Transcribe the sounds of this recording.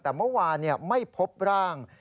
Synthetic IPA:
t̪ɛː˨˩mɯ˥˩waː˧nːi˥˩ɐma˥˩jpʰo˦˥p̚ɾaː˥˩ŋ

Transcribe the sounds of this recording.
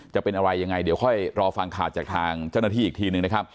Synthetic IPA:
t͡ɕa˨˩pe˧nʔa˧ɾa˧jːa˧ŋːa˧jdi˩˦wkʰɔ˥˩jɾɔː˧fa˧ŋkʰaː˨˩t̪̚t͡ɕaː˨˩k̚t̪ʰaː˧ŋt͡ɕa˥˩wnaː˥t̪ʰiː˥˩˨t̪ʰiː˧nɯ˨˩ŋna˦˥kʰa˦˥p̚

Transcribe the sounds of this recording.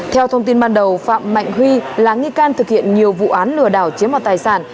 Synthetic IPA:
t̪ʰɛ˧wt̪ʰə˧wŋ͡mt̪i˧nɓaː˧nɗə˨˩wfa̰ː˧˨mːa̰˧˨jŋ̟ɦwi˧laː˨˩ŋi˧kaː˧nt̪ʰɨ˨˩k̚hḭ˧˨ənɲi˨˩əwvṵ˧˨ʔaː˨˦nlɨ˧˩əɗaː˧˩wt͡ɕi˨˦əmɔ˨˩t̪aː˨˩jsaː˧˩n

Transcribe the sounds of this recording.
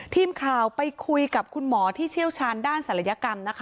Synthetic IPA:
t̪ʰiː˧mkʰaː˨˩wpa˧jkʰu˧jka˨˩p̚kʰu˧nmɔː˩˦t̪ʰiː˥˩t͡ɕʰi˥˩əwt͡ɕʰaː˧ndaː˥˩nsa˨˩la˧ja˧˥ka˧mna˦˥kʰa˦˥

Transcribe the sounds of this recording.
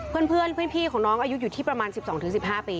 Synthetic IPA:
ɯ˥˩ənpʰɯ˥˩ənpʰɯ˥˩ənpʰiː˥˩kʰɔː˩˦nɔː˦˥ŋʔaː˧ju˦˥juː˨˩t̪ʰiː˥˩pɾa˧maː˧nsi˨˩p̚sɔː˩˦t̪ʰɯ˩˦si˨˩p̚haː˥˩piː˧

